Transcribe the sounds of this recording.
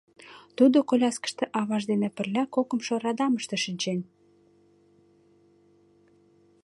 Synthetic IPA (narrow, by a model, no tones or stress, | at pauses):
t̪ud̪okolʲɑskə̥ʃt̪ĕʔɑβɑʒd̪enĕpə̆rlʲækokə̆mʃoɾɑd̪ɑməʃt̪ĕʃinʲt͡ɕen